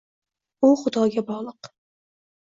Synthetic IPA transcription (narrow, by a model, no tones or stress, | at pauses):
ʊχʊd̪ɒːɡʲabɒʁlˠɨq